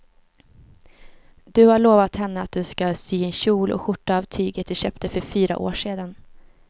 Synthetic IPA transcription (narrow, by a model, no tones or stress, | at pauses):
d̪̥ɵhaɭoːvat̪hɛnːəat̪̚d̪ɵskasyːɛnɕuːlʔɔ̰ɧʊʈːaːvt̪ʰyːɡət̪̚d̪ɛɕœːpt̪əfœɾfyːɾa̰ʔo̰ːʂeːd̪an